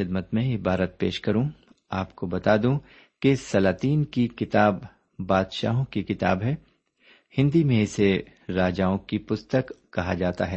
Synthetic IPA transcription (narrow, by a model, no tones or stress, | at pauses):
ɪd̪mət̪mẽɪbaːɾət̪̚peːʃkɐɾũ | aːpkobɐt̪aːd̪ũ | kesɐlaːt̪iːnkikɪt̪aːbː | aːd̪ʃa̰ːɦõkikɪt̪a̰ːbɦɛː | hɪ̃nd̪imẽɪse | ɾaːd͡ʒaːõkipʊst̪əkːɐɦad͡ʒaːt̪a̰ɦɛː